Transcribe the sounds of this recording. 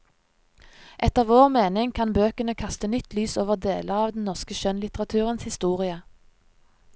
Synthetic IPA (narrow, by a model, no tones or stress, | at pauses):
ʔɛt̪əʁʋoːʁmeːnɪŋkʰɑnbøːkənəkʰɑst̪ənʏt̪lyːsoːʋəʁd̪ḛːləɑːʋd̪n̩nɔʁskəʃœnlɪt̪əʁɑt̪ʰʉːʁənshɪst̪uːʁɪə